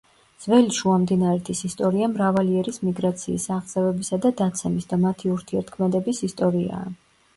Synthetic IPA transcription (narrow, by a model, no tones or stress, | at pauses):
z̥vɛliʃuamd̪inaɾɛt̪ʰisist̪ʼɔɾiamɾavaliɛɾismiɡɾat̪sʰḭːsaʁz̥ɛvɛbisad̪ad̪at̪sʰɛmisd̪amat̪ʰiuɾt̪ʰiɛɾt̪̚ʰkʰmɛd̪ɛbisist̪ʼɔɾia̰ː